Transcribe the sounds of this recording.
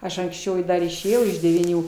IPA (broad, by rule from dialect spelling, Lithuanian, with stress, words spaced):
ˈɐʃ ɐŋksʲˈt͡ʃʲɛʊ dɐr ɪʃʲeːˈjɛʊ ɪʃ dʲɛʋʲiːˈnʲuː